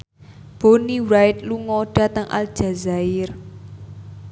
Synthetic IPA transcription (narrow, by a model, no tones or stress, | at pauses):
b̥oniwɾaɪt̪̚luŋɔɖ̥a̤t̪əŋʔa̰ld̥ʒ̥a̤zaɪr